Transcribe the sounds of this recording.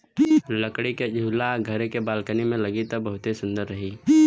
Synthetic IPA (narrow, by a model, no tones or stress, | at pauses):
ləkɽiked͡ʒʱuːlaɡʱəɾekebaːlkənimẽlɐɡit̪əbəɦʊt̪esʊ̃nd̪əɾːɐɦiː